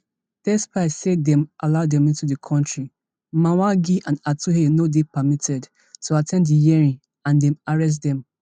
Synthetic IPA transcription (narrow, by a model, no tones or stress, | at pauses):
θɛspaɪsedɛ̃mʔaladɛ̃mĩntudəkʰɔ̃ntɹi | mawaɡiʔãnatuɦenodepamitʰɛd | tuatʰɛ̃ndijɛɹĩŋ | ãndɛ̃maɹɛs̬tdɛ̃m